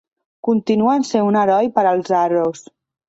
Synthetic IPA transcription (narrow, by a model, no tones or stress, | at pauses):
kunt̪inuənsenunəɾɔjpəɾəlˠzaros